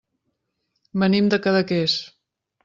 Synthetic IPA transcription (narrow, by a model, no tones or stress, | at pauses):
bənimd̪əkaðəkes